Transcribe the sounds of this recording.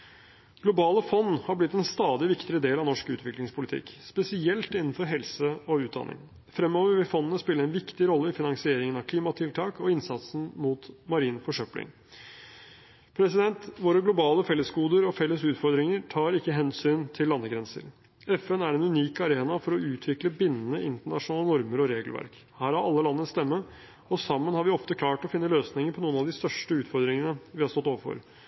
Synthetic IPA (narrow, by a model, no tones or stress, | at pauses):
ɡ̥lʊbɑːləfɔnːhɑɾblɪt̪ːɛnst̪ɑːd̪ɪʋɪkt̪ɪɾəd̪eːlɑʋnɔʂkʉːt̪ʋɪklɪŋspʰʊlɪt̪ʰɪ̰kːspɛsɪɛlt̪ɪnːn̩fɔɾɦɛlsəɔʉːd̪ɑ̰nʔɪ̰ŋ | fɾɛmːɔːʋəɾʋɪfɔnːənəspɪlːəɾɛnʋɪkt̪ɪɾɔlːəɪfɪnɑŋsɪeːɾɪŋənɑkʰliːmɑt̪ʰɪlt̪ʰɑːkɔɪnsɑt̪sn̩muːt̪mɑɾiːnfɔʂœplɪ̰ŋ | pʰɾɛsɪd̪ɛnt̪ʋoːɾəɡlʊbɑːləfɛlːəsɡuːd̪əɾɔfɛlːəsʉːt̪fɔɾd̪ɾɪŋəɾʈʰɑːɾɪkːəɦɛnsyːnt̪ʰɪlːɑnːəɡɾɛnsə̰ɾ | ɛfɛnæɾɛnʉniːkɑɾeːnɑfɔɾɔʉːt̪ʰʋɪkləbɪnːnəʔɪnt̪əɳɑʂʊnɑːlənɔɾməɾɔɾeːɡəlʋæ̰ɾk | hæːɾɑɾɑlːəlɑnːəst̪ɛmːə | ɔsɑmːənhɑɾʋɪɔft̪əkʰlɑːʈɔfɪnːəløːsnɪŋəɾpʰɔnuːənɑʋd̪ɪst̪œʂʈəʉːt̪fɔɾd̪ɾɪŋənəʋɪhɑst̪ɔt̪ːoːʋəfɔ̰ɾ